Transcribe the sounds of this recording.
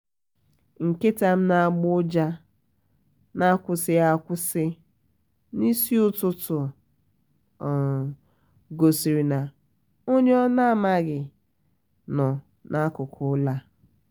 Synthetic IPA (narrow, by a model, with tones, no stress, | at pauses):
ŋ̩˨ke˦ta˨m̩˦na˨a˨ɡ͡bʊ˦d͡ʒa˦ | na˦kʷʊ˦sɪ˦ja˦kʷʊ˦sɪ˦ | ni˦si˦ʊ˦tʊ˦tʊ˨ | ɡo˨si˨ɾi˨na˨ | o˦ɲ˦ɔ˦na˦˨ma˦ɡɪ˨ | nɔ˨ | nʔa˦kʊ˨kʰʊ˨˦la˦